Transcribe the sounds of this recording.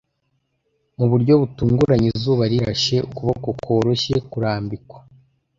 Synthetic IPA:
muβuɾɟo̞βutuːŋɡuɾaɲizuːβaɾiɾaʃe̞ukuβokokwo̞ːɾoʃe̞kuɾaːmbikwḁ

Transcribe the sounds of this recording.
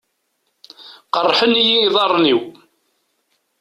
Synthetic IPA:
qərˤːħənijiːðˤɑrˤːniw

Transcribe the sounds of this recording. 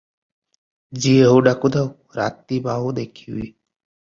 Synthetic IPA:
d͡ʒiːəɦuɖakud̪aw | ɾa̰ːt̪ibaːɦud̪ekʰiiː

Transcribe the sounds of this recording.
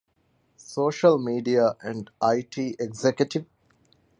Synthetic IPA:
soːʃəlmiːɖiaʔæ̃ɳɖaɪʈʰiːʔeɡzekjəʈiʋ

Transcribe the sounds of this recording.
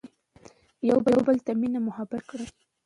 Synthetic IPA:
jawbawbəlt̪aminamʊhabakɽə

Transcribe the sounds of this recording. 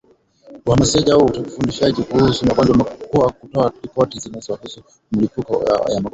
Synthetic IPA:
wamasɛʄauutakufundiʃaʄikuhusumakad͡ʒwamakɔakutɔaɾipɔtizinɛzɔwahusu | m̩lipukɔ̰ja̰mak

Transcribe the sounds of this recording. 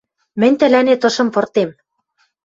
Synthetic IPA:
mɘ̆nʲt̪ɘ̆lænet̪ɤ̆ʃɤ̆mpɤ̆rt̪em

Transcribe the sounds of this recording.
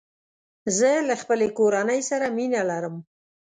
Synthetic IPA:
zəlaxpəlekoɾanəjsaɾaminalaɾəm

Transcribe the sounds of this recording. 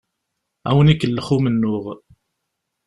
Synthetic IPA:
æwənikːəlːəχumənːʊʁ

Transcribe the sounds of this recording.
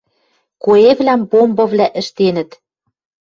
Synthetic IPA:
koeβlæmpombɤ̆vlæʔɘ̆ʃt̪enɘ̆t̪

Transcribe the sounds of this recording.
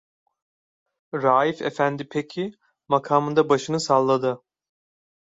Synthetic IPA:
ɾaːjifḛfænd̪ipʰecʰi | makʰaːmɯnd̪abaʃɯnɯsalˠːad̪ɯ

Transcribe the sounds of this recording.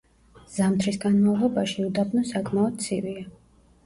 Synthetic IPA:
z̥amt̪ʰɾisɡanmalˠɔbaʃiud̪abnɔsakʼmaɔd̪̥̚t̪sʰivia

